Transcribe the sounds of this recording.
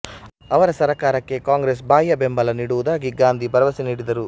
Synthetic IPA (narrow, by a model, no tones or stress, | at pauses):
ɐʋɐɾɐsɐɾɐkaːɾɐkːe̞kaːŋɡɾes̬baːjɐbembɐlɐniːɽuʋud̪aːɡiɡaːnd̪ʱibɐɾɐʋɐsiniːɽid̪ɐɾu